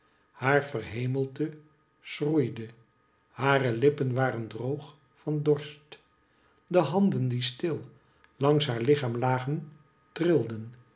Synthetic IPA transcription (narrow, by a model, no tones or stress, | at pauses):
haːɹvərɦejməlˠdə | srujdə | haːrəlɪpənʋaːrəndrowχ | fɑndɔɹst | dəɦɑndəndistɪlˠ | lɑŋsɦaːɹlɪχaːmlaːχən | trɪlˠdən